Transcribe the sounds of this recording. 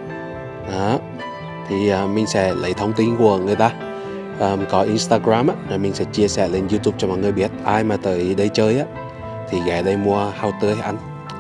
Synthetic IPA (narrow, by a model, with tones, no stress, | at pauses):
ʔaː˨˦ | t̪ʰi˨˩ʔəː˨˩mï˨˩ŋ̟sɛ̰˧˥lə̰˨˩jt̪ʰə˧wŋ͡mt̪i˧nku˧˩əŋɨ˨˩əjt̪aː˧ | ʔəː˨˧˩mkɔ˨˦ʔi˧nst̪aː˧ɣɾaː˧mʔaː˧˦zo˨˩jmï˨˩ŋ̟sɛ̰˧˥t͡ɕi˧əsɛ̰˧˩le˧nzu˧t̪u˨˧˩p̚t͡ɕɔ˧mɔ̰˨jŋɨ˨˩əjɓi˦˥ət̚ʔaː˧jmaː˨˩t̪ə̰ː˧˨jɗə˧jt͡ɕəː˧jʔaː˧˦ | t̪ʰi˨˩ɣɛ˨˩ɗə˧jmu˧əhaː˧wt̪ɨ˧əjʔa˧jŋ